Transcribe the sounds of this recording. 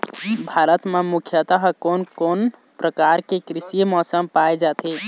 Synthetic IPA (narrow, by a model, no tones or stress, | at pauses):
bʱaɾət̪memukʰjət̪aɦkonkon | pɾəkaɾkekɾisimɔsəmpajd͡ʒat̪i